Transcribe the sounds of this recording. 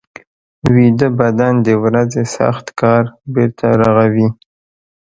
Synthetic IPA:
wid̪əbad̪and̪əwɾazesa̰xt̪kɑɾbeɾt̪ʰaɾaɣawi

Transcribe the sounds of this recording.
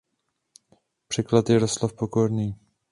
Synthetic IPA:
pr̝̥ɛklat̪jɛɾost̪lafpoko̞ɾniː

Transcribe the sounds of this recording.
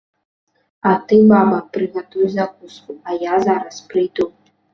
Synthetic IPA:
at̪ɨbabɐpɾɨɣɛt̪ujzak̚uskuɐjazaɾɐspɾɨjd̪u

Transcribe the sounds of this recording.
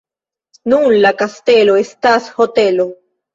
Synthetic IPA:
nunlakast̪elo̞estashot̪e̞lo̞

